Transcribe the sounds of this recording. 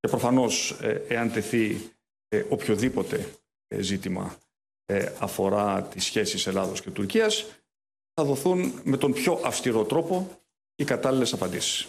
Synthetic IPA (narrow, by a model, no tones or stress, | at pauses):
ce̞pɾo̞fɐno̞seɐnt̪e̞θi | o̞pço̞ðipo̞t̪e̞ | zit̪imɐ̰ | ɐfo̞ɾɐt̪isçe̞sise̞lɐðo̞sce̞t̪uɾciɐs | θɐðo̞θunme̞t̪o̞mpço̞ʔɐfst̪iɾo̞t̪ɾo̞po̞ | ikɐt̪ɐlile̞sɐpɐnd̪isi̥s